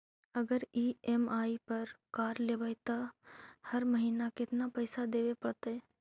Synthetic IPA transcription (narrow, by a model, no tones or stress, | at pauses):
əɡəɾiemaːipəɾkaːɾleːbəjt̪əhəɾməɦiːnakɪt̪napəɪsad̪eːʋepɐɽt̪ɛ